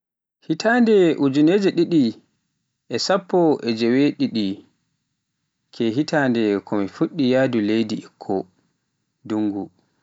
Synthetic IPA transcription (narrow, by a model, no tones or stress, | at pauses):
hitʰaːndɛʔud͡ʒuned͡ʒɛɗiɗi | ʔɛsapːɔɛd͡ʒɛweɗiɗi | kʰɛɦitaːndɛkɔmifuɗːijaːdulejdiikʰːɔ | duŋɡu